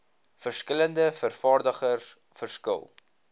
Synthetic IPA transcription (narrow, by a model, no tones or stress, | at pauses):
fərskələndəfərfɑːrdəχərs | fərskə̰lˠ